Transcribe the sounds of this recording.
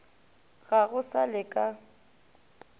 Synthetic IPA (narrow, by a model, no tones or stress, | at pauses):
ɣaɣʊsalɪkʼa